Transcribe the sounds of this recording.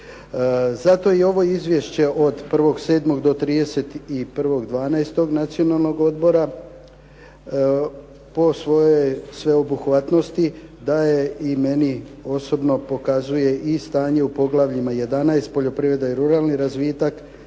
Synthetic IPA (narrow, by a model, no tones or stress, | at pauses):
zat̪o̞io̞ʋo̞izʋʲje̞ʃt͡ɕe̞ʔo̞d̪pr̩ʋo̞ɡse̞ːd̪mo̞ɡd̪o̞t̪ɾiːd̪e̞se̞t̪ipr̩ʋo̞ɡd̪ʋaːnaest̪o̞ɡnat̪sio̞nalˠno̞ɡo̞d̪bo̞ɾa | po̞sʋo̞jesʋe̞obuxʋat̪no̞st̪id̪ajeime̞nio̞so̞bno̞po̞kazuje̞ʔist̪aːɲe̞upo̞ɡlˠaʋʎimaje̞d̪anaest̪̚po̞ʎo̞pɾiʋe̞d̪aiɾuɾalˠniɾazʋiːt̪ak